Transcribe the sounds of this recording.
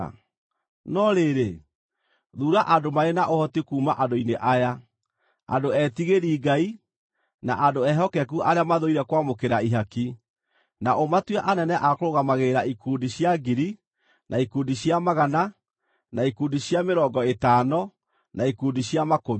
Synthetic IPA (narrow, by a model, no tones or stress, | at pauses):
nɔɾeɾe | ðuːɾaʔadomaɾenaʔohɔtikuːmaʔandoineʔaja | a̰doɛtiɣeɾiːɡai | naʔandoɛɦɔkɛk̬uʔaɾeamaðoiɾɛkwamokeɾaiɦaki | naʔomatwɛʔanɛnɛʔakoɾoɣamaɣeːɾaikuːndiɕjaɡiɾi | nʔaikundiɕjamaɣana | naikuːndiɕjameɾɔŋɡɔetaːnɔ | naikundiɕjamakomi